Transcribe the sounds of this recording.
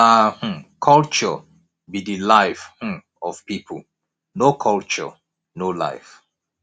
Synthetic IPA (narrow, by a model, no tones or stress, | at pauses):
ahm̩kʰɔlt͡ʃɔ | bidilaɪfh̩ | ɔvpipʰəl | nokʰɔlt͡ʃɔ̰ | nola̰ɪf